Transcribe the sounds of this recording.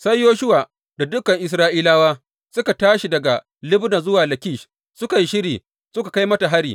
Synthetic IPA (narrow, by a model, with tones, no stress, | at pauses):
sa˦jːoː˦ʃʊ˦waː˨ | da˨dʊ˦kɐ˨ŋʔɪ˨s̬ɾaː˦ʔiː˦laː˦waː˦ | sʊ˦ka˨taː˦ʃi˨dɐ˨ɡa˨ | lɪ˦bna˨zʊ˦waː˨lɐ˨kʲiː˦˨ʃ | sʊ˦ka˨ji˦ʃɪ˦ɽiː˨ | sʊ˦ka˨ka˦jmɐ˦ta˨ɦa˦ɽiː˨